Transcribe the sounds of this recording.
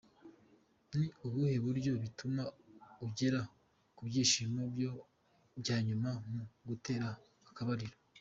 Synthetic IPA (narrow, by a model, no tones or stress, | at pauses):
niuβuhe̞βuɾɟo̞βitumauɟe̞ɾa | kubɟiːʃiːmobjo̞ | bjaːɲumamuɡute̞ːɾaː | kaβaɾiɾo